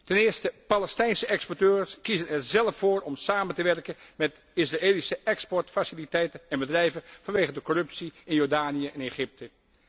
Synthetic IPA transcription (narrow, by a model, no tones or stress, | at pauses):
tɛnɪːɹstəpalɛstɛjnsəʔɛkspɔɹtøːɹskizənɛɹzɛlˠəfoːɹɔmsaːməntəʋɛɹkəmɛtɪsraeːlisəʔɛkspɔɹtfasɪlitɛjtənɛnbədrɛjvənvɑnʋeːχədəkɔrɵpsiɪnjɔɹdaːnijəɛneχɪp̚tʰə